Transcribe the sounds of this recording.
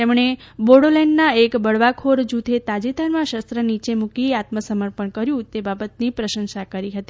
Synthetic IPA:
t̪emɳe | boɽolɛɳɖnaekbəɭʋakʰoɾd͡ʒut̪ʰet̪ad͡ʒit̪ənmãʃəst̪ɾənit͡ʃemukiat̪məsəməɾpəɳkəɾjũt̪ebabət̪̚nipɾəʃə̃nʃakəɾiɦət̪i

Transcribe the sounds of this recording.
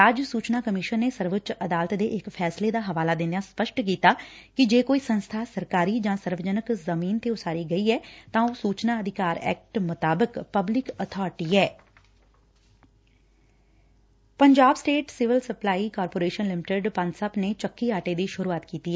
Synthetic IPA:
əd͡ʒsuːt͡ʃnaːkəmɪʃənːeːsəɾʋʊt̪t͡ʃəd̪aːlət̪d̪eːʔɪkpʰɛːsled̪aːɦəʋaːlaːd̪ɪ̃naːspəʃʈk̬iːt̪aːkɪd͡ʒeːkoːiːsə̃nst̪ʰaːsəɾkaːɾiːd͡ʒãːsəɾʋəd͡ʒənəkzəmiːnt̪eʊsaːɾiːɡəiːɛːt̪ãːosuːt͡ʃnaːəd̪ʱɪkaːɾɛ̰ːk̚ʈmʊt̪aːbəkpəblɪkət̪ʰɔːɾʈiːɛː | pəɲd͡ʒaːbsʈeːʈsɪʋɪlsəplaːiːkaːɾpoːɾeːʃənlɪmɪʈəɖpãnsəpnet͡ʃəkːiaːʈeːd̪iːʃʊɾuːaːt̪kiːt̪iːɛː

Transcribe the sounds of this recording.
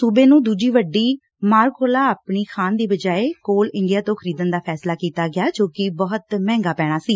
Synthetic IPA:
suːbẽːnũːd̪uːd͡ʒiːʋəɖːiː | maːɾkʰoːlaːaːpɳiːkʰaːnd̪iːbəd͡ʒaːeːkoːlɪɳɖijaːt̪õːkʰəɾiːd̪ənd̪aːpʰɛːslaːkiːt̪aːɡɪaːd͡ʒoːkɪbɔːət̪mɛ̃ːŋɡaːpɛːɽ̃aːsiː

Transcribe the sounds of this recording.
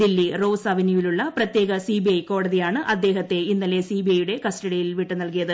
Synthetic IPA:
d̪ilːiro̞ːsɐʋinjuʋiluɭːɐprɐt̪je̞ːɣɐsiːbijɐjko̞ːɽɐðijaːɳɨʔɐd̪ːe̞ːɦɐt̪ːe̞inːɐle̞siːbiɐjuɽe̞kɐsʈɐɽijilʋiʈːɨnɐlk̬ijɐðɨ

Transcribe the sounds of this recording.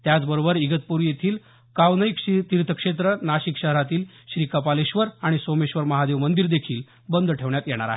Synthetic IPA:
t̪jat͡sbəɾobəɾiɡət̪̚puɾjet̪ʰiːl | kaʋnəikt̪iɾt̪ʰəkʂet̪̬ɾənaɕikɕəɦɾat̪iːl | ɕɾiːkəpaleɕʋəɾaɽ̃isomeɕʋəɾməɦad̪eʋmənd̪iɾd̪ekʰiːl | bənd̪ʱʈʰeʋɳjat̪jɛɽ̃a̰ɾa̰ɦe

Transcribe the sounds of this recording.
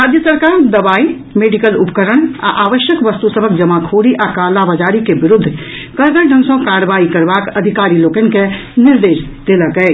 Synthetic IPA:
ɾaːd͡ʒjəsəɾkaːɾd̪ɐbaːi | meːɖikəlʊpkəɾəɽ̃a̰ʔaːʋəʃjəkʋəst̪usəbʱəkd͡ʒəmakʰoːɽiʔakaːlaʋəd͡ʒaːɾikebɪɾʊd̪ʱː | kəɾɡ̪əɖʱə̃nsõkaːɾʋaːikəɾbaːkɐd̪ʱɪkaːɾiloːkən̆ke | nɪɾd̪eːʃd̪̥eləkəe

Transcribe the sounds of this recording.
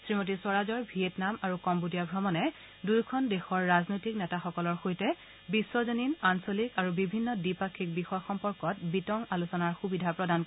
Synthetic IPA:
sɹimot̬iswɔɹazɔɹbʱietnamaɹukɔmbudijabʱɹɔmɔnɛ | dujkʰɔndexɔɹːaznojtiknɛtaxɔkɔlɔɹxojtɛ | bisːɔzoninansolikaɹubibʱinːɔdipakʰːik̚bixɔjaxɔmpɔɹkɔt̚bitɔŋalusɔnaɹxubidʱapɹɔdank

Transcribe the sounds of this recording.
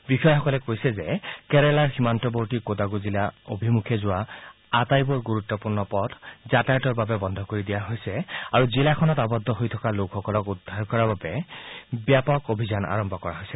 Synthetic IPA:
bikʰɔjxɔkɔlɛkojsɛzɛkɛɹɛlaɹximantɔbowtikodaɡuzilao̰bʱimukʰɛzʊwa | atajbʊɹɡuɹutːɔpuɹnɔpɔdzatajtɔɹbabɛbɔnd̪ʱɔkoɹidijaɦojsɛaɹuzilakʰɔnɔtabɔd̪ʱːɔɦojtʰɔkalokxɔkɔlɔkudʱːaɹkɔɹababɛbjapɔkobʱizana̰ɹɔmbʱɔkɔɹaɦojsɛ

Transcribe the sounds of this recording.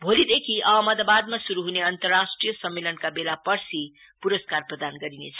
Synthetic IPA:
bʱolid̪ekʰiʔaaməd̪abad̪̚masuɾuɦuneʌnt̪ʌrːasʈrijəsʌmːelənkabelapʌɾsi | puɾəskarprʌd̪anɡʌɾinḛt͡sʰʌ

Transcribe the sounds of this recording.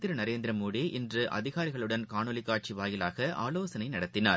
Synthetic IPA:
t̪ɪɾɐnɐɾeːnd̪ɾɐmuːɽiʔɪndrɯʔɐ̰ðɪɣaːɾɪɣɐɭɯɽɐnkaːɳɯlɪkːaːʈ̚t͡ʃiʋaːjɪlaːɣɐʔa̰ːloːsɐnɐɪnɐɽɐt̪ːɪnaːɾ

